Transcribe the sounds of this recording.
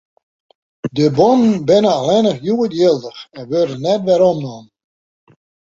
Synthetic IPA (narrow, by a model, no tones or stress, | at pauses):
dəbomənbɪnəalɛnəχjuətjɪlˠdəxɛnʋørdənɛtʋɛɾɔmnɔn